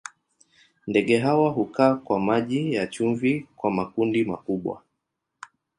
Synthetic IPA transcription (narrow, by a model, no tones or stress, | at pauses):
ndɛɠɛɦawaɦukaːkwamaʄijat͡ʃuɱvikwamakundima̰kuɓwa̰